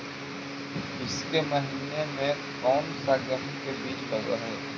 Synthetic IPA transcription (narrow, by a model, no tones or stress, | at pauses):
ɪskemɐɦiːnemẽ | kɔːmsaːɡəɦĩkebiːt͡ʃbɐɡa̰ɦɛː